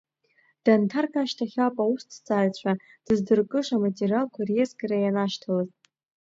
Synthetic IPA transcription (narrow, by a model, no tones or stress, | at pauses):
d̥antʰarkʰʼaʃtʰaχʲapʼaustʰt͡sʼaːɥt͡ɕʷʰa | d̥ɨzdɨrkʼɨʂamatʼerialkʷʰarjezɡaɾajanaʃtʰalɨz